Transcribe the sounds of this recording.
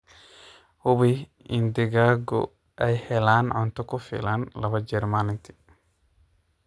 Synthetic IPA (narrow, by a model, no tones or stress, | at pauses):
hʊβi | ɪnd̪ɪɡaːɡɔ̰ | ʔɛjhɛlaːnʕʊnt̪ʰɔkʰʊfɪ̰laːnlɐβɐd͡ʒɛːɾmaːlɪnt̪ʰɪ̥